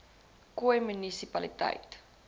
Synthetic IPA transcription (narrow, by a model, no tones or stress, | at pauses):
kujmːinːisipɑlit̪a̰jt̪